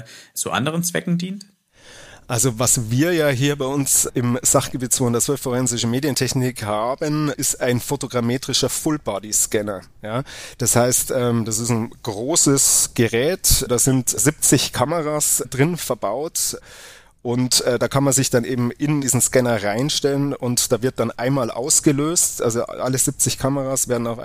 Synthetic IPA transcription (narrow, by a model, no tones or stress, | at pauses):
t͡suːʔa̰ndəʁənt͡sv̥ɛ̰kŋ̩diːnt | ʔalzovasviːɐjaːɦiːɐbaɪʊnsʔɪmz̥aχɡ̥əbiːtt͡svoːhɪndɐt͡svœlfoʁɛnzɪʃəmeːdjəntʰɛçnɪkhaːbənʔɪstaɪnfotoɡʁameːtʁ̥ɪʃɐfʊlbaːdiskɛnɐ | jaːd̥ashaɪstʔɛːmd̥asɪsn̩ɡ̥ʁoːsəsɡ̥əʁɛːtdaːzɪntzɪp̚t͡sɪçkʰaməʁasdʁɪnfɛɐbaʊt | ʔʊntɛːdaːkʰanmanzɪçd̥anʔeːbm̩ʔɪndiːzn̩skɛnɐʁaɪnʃtɛlənʊntd̥aːvɪɐt̚d̥anʔa̰ɪnmaːlʔa̰ʊsɡ̥əløːstʔa̰lzoʔa̰ləzɪp̚t͡sɪçkʰaməʁaːsv̥eːɐdn̩aʊfa̰